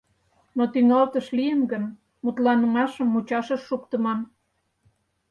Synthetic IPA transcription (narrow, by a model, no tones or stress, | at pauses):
not̪yŋɑlt̪əʃlijənɡən | mut̪lɑnə̆mɑʃəmːut͡ɕɑʃəʃːukt̪əmɑn